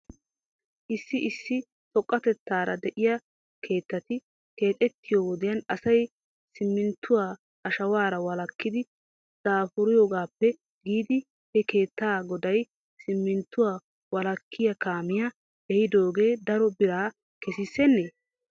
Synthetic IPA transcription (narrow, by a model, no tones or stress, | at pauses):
ʔɪsːɪʔɪsːɪ | tɔkʼːɐt̪ɛt̪ːaːɾɐ̰d̪ɛʔɪjɐ | kʰe̞ːt̪ːɐt̪ɪ | ke̞ːt̪ʼɛt̪ːɪjoːwɔd̪ɪjɐnɐsɐj | sɪmːɪnt̪ːʊwaː | ʔɐʃɐwaːɾɐwɐlɐkːɪd̪ɪ | d̪̥aːfʊɾɪjoːɡaːpːɛ | ɡiːd̪ɪ | hɛke̞ːt̪ːaːɡɔd̪ɐj | sɪmːɪnt̪ːʊwaː | wɐlɐkːɪjɐkaːmɪjɐ | ɛhɪd̪o̞ːɡeːd̪ɐɾɔbɪɾaː | kɛsɪsːɛnːeː